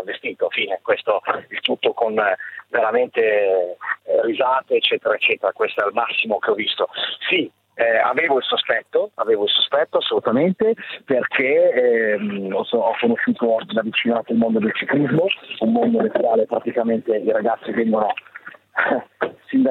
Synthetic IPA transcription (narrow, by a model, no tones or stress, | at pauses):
avːest̪iːt̪ofiːnekwest̪oilt̪ut̪ːokonveɾament̪e | rizaːt̪eːt͡ʃːɛːt̪eɾaet͡ʃːɛːt̪eɾakwest̪oɛalmasːimokeɔvːist̪osi | a̰veːvoilsospɛt̪ːoa̰veːvoilsospɛt̪ːoasːolut̪ament̪eperkʰeɛmɔsɔkːonoʃːuːt̪od̪avit͡ʃinoak̪ːelmond̪od̪elt͡ʃiklizmoumːond̪onet̪ːuɾaːlepɾat̪ikament̪eiɾaɡat̪sːivɛŋɡono | sind̪a